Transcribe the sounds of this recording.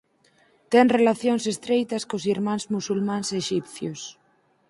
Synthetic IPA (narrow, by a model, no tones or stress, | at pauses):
t̪enrelaθjonsest̪ɾejt̪askosiɾmãnzmusulmãnseʃipθjos